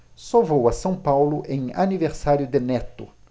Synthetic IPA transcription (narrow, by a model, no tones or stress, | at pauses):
sovowɐsɐ̃w̃pawlʊʔẽj̃aniveɾsaɾjʊd̪ɪnɛt̪ʊ̰